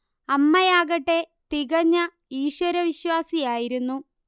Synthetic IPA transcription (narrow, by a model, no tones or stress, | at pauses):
ɐmːɐjaːɣɐʈːe | t̪iɣɐɲːɐ | iːɕwɐɾɐʋiɕwaːsijaːjiɾunːu